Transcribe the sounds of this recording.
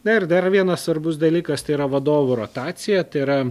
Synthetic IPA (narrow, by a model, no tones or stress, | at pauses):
nɐɪɾd̪ɐrʋʲiɛnɐssʋɐɾbʊsd̪ɐlʲiːkɐst̪ɐɪɪɾɐʋɐd̪oːʋʊɾot̪ɑːt̪sʲɪjɛt̪ɐɪɾɐ